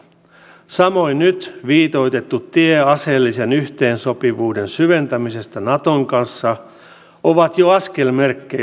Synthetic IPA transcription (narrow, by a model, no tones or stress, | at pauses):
sɑmo̞innyt̪ʋiːt̪o̞it̪e̞t̪ːut̪ːieɑselːisenyht̪e̞ːnso̞piʋuːdensyʋe̞nt̪æmise̞st̪ɑnɑt̪oŋkɑnsːɑ | oʋɑt̪joɑske̞lmerkːe